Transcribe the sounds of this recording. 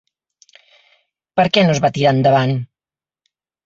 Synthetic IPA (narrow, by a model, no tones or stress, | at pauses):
pəɾkɛnozβat̪iɾand̪əβan